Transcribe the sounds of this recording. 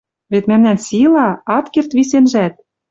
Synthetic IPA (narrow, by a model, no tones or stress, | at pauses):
βet̪mæmnænsilɑɑt̪kert̪βisenʒæt̪̚